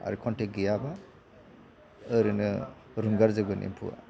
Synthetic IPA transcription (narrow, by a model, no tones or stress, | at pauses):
a̰ɾikʰɔnteɡijaba | ɯɾɯnɯ | ɾuŋɡaɾzɯɡɯnḭmpʰṵa̰